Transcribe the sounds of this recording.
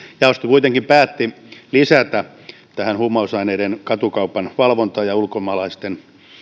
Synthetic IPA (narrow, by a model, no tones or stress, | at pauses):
jɑost̪ikuit̪eŋkimpæːt̪ːi | lisæt̪æ | t̪æhænhumːɑusɑineidenkɑt̪ukɑupːɑnʋɑlʋont̪ɑːjɑulkomɑːlɑist̪en